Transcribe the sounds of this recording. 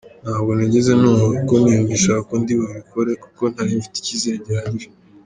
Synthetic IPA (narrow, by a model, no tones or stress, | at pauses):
n̥haːbɡo̞naɟe̞ze̞nuːhoikonijuɲiʃakakondiβoβikʰo̞ɾe̞ku̥ko̞n̥haɾiɱfi̥ti̥cizeːɲɟeɾaɲiɾe